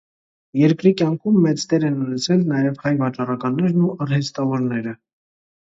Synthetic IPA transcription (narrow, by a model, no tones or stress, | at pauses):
jɛɾkɾikjɑŋkʰumːɛt͡st̪ɛɾɛnunɛt͡sʰɛlnɑjɛvhɑjbɑt͡ʃɑrɑkɑnːɛɾnuɑrhɛst̪ɑvɔɾnɛɾə